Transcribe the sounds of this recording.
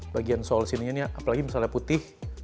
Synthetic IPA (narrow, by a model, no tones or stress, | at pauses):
baɡiansɔlsiniɲaniaʔapalaɡimasalaaput̪ɪh